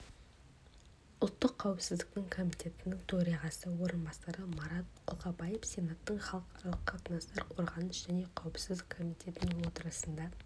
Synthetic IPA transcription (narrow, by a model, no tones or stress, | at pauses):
ʊlˠt̪ːəqʰːɑwɪpsɪzd̪ɪk̚t̪ɪŋkʰo̞mijt̪ʰʲe̞t̪ɪnɪŋt̪ʰoɾijʁɑsəwo̞ɾənbɑsɑɾəmɑɾɑt̪̚qʰʊlˠqɑbɑjefse̞nat̪ːəɴχɑlˠəqʰɑɾɑlˠəqqʰːɑt̪ənɑst̪ɑɾqʰo̞ɾʁɑnəʒ̥æne̞qʰɑwəpsɪzd̪ɪkʰːo̞mijt̪ʲʰe̞t̪ɪnɪŋwo̞t̪əɾəsənd̪ɑ